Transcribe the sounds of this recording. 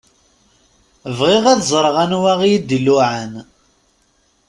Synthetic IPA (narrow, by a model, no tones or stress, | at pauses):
əvʁɪʁæðzˤəɾˤʁænwæʁijid̪ilːuʕan